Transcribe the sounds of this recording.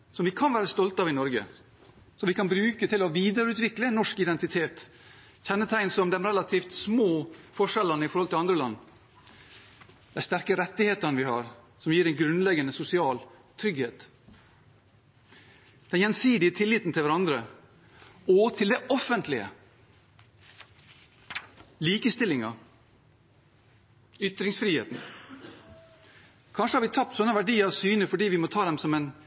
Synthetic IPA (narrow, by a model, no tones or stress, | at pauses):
sɔmʋɪkʰɑnʋæːɾəst̪ɔlt̪ɑʋɪnɔɾɡə̰ | sɔʋɪkʰɑnbɾʉːkət̪ʰɪlɔʋiːd̪əɾʉːt̪ʋɪklənːɔʂkɪd̪ɛnt̪ɪt̪ʰeːt̪ | çɛnːət̪ʰæɪnsɔmd̪ɛmɾɛlɑt̪ʰiːft̪smoːfɔʂɛlənəɪfɔɾhɔlt̪ɪlɑnd̪ɾəlɑ̰nː | d̪̥æɪst̪æɾkəɾɛt̪ːɪheːt̪əɾnəʋɪhɑ̰ɾ | sɔmjiːɾɛnɡɾʉnlɛɡənəsʊsɪɑːlt̪ʰɾʏɡheːt̪ | d̪̥ɛnjɛnsiːd̪ɪət̪ʰɪlːiːt̪n̩t̪ʰɪlʋæɾɑnd̪ɾə | oːt̪ʰɪld̪ɛʔɔfənt̪lɪə̰ | liːkəst̪ɪlːɪŋɑ | ʏt̪ɾɪŋsfɾiːhḛːt̪n̩ | kʰɑnʂəhɑɾʋɪt̪ʰɑp̚t̪sɔnːəʋæɖiːəɾɑʋsyːnəfɔɖiːʋɪmoːt̪ʰɑːd̪ɛmsɔmɛn